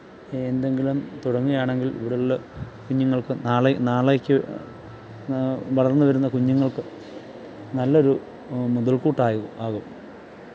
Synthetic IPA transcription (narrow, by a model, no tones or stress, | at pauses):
end̪e̞ŋɡilumt̪uɽɐŋːuɣɐjaːɳe̞ŋɡilḭʋiɽelulːɐkuɲːuŋːɐɭkɨnaːɭenaːɭekʲːɨ | ʋɐɭɐrnːɨʋɐɾunːɐkuɲːuŋːɐɭkɨ | nɐlːɐo̞ɾu | muðɐɭkuːʈːaːjuaːɣu